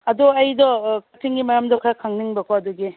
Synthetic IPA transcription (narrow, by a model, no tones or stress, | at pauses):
ɐduɐjdɔkʰɐtʰiŋɡimɐɾamdɔkʰɾakʰaŋniŋbɐkʰɔɐduɡi